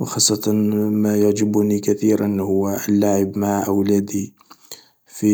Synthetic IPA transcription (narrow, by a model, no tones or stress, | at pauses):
wxɑsˤːɑt̪ˤɑnmæjaʕd͡ʒɪbʊnikæθiɾanhʊwːəlːaʕəbmaʕʔəwlæd̪i | fi